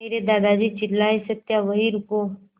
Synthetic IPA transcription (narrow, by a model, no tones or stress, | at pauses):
eːɾed̪aːd̪ad͡ʒit͡ʃɪlːaisət̪jaʋəɦiɾʊko